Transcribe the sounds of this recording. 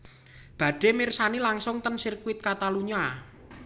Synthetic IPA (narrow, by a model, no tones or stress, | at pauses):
b̥ä̤ɖ̥e̤mɪrsanilaŋsʊŋt̪ənsirkuɪt̪̚kat̪aluɲa